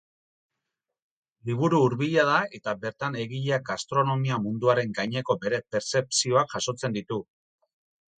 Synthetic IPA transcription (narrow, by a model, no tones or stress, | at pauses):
liβ̞uɾuːɾβiʎað̞ae̞t̪abe̞ɾt̪ane̞ɣiʎeaɡast̪ɾo̞no̞miamund̪uaɾe̞ŋɡajɲe̞ko̞be̞ɾe̞pe̞ɾse̞psio̞akʝaso̞t͡se̞nd̪it̪u